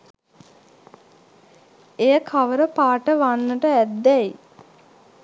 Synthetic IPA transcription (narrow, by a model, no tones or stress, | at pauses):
ejəkʰaʋəɾəpaːʈəʋanːəʈəæd̪ːɛj